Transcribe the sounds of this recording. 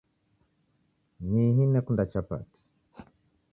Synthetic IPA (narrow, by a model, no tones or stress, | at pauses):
niɦinɛkundat͡ʃapa̰ti̥